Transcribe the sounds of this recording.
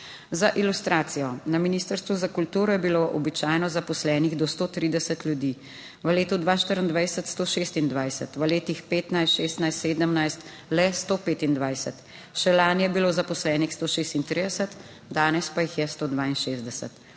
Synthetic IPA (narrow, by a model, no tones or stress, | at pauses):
zaʔilust̪ɾaːt̪sijɔnaminiːst̪əɾst̪ʋuzakult̪uːɾɔjɛbiloʔɔbit͡ʃaːjnɔzapɔslɛːniɣd̪ɔst̪oːt̪ɾiːd̪ɛsət̪lʲjud̪iː | ʋəleːt̪ud̪ʋaːʃt̪əɾənd̪ʋajsət̪st̪oːʃeːst̪ind̪ʋajsət̪ʋəleːt̪ixpeːt̪najsʃeːst̪najst̪seːd̪əmnajst̪ | lɛst̪oːpeːt̪ind̪ʋajsət̪ | ʃɛlaːnjɛbiloːzapɔslɛːnixst̪oːʃeːst̪int̪ɾiːd̪ɛsət̪ | d̪aːnɛspajixjɛst̪oːd̪ʋaːinʃeːzd̪ɛsə̰t̪